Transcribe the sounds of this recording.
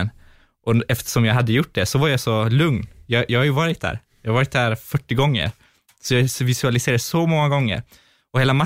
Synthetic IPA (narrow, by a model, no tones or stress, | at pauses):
n | ʔɔɛft̪ʰə̥ʂɔmjɑɡɦad̪ːəjʊʈ̚ːd̪ɛsɔvaɾjɑsɔlɵŋnjɑjɑːhajɵvɑːɾɪt̪̚d̪æ̰ːɾ | jɑhaɾɑːɾɪt̪̚d̪æːɾfœʈːɪɡɔŋːə̰ɾ | sɔjɑsvɪsɵalɪseːɾad̪sɔmɔŋːaɡɔŋːə̰ɾ | ɔheːlama